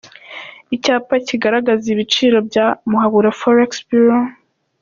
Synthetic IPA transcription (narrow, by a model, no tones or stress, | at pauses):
icaːpaciɡaɾaɡaziβit͡ʃiːɾo̞bɟamuhaβuɾafoɾaksbiɾo